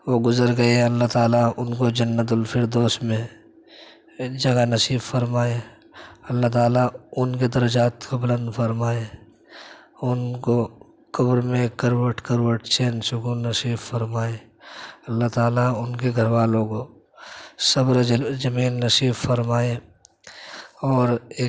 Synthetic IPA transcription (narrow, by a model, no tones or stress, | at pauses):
ʋoɡʊzəɾɡɐeɛɐlːat̪aːlaʊnkod͡ʒɐnːət̪̬ʊlpʰɪɾd̪oːsmẽ | d͡ʒɐɡanɐsiːbfəɾmaːe | ɐlːaɦt̪aːlaʊnked̪ɐɾəd͡ʒaːt̪kobɪlə̃nd̪fəɾmaːe | ʊnko | kəbɾmẽkəɾwəʈkəɾwəʈt͡ʃeːnsʊkuːnːəsiːbfəɾmaːe | ɐlːaɦt̪aːlaʊnkeɡʱəɾʋaːlõko | sɐbɾzɐmiːnːəsiːbfəɾmaːe | ɔːɾeː